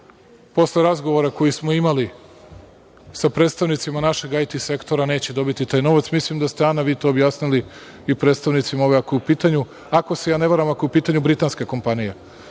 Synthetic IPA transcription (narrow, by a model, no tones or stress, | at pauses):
po̞sle̞ɾazɡo̞ʋoɾako̞jismo̞imali | sapɾet̪st̪aʋnit̪simanaʃe̞ɡajt̪ise̞kt̪o̞ɾane̞ːt͡ɕe̞d̪o̞bit̪it̪aːjno̞ʋat̪smislimd̪ast̪eanaʋiːt̪o̞ːbjaːsnili | ipɾet̪st̪aʋnit̪simaoʋeako̞eupiːt̪aɲu | ako̞se̞jaːne̞ʋaɾamakoiupiːt̪aɲubɾit̪aːnskeko̞mpanije